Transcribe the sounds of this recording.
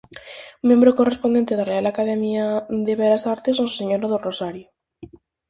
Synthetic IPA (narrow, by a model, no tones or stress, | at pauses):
mjẽmbɾokorespond̪e̞nt̪eðarealakaðemjaðeβeɾasaɾt̪esosu̥seɲoɾoðorosaɾjo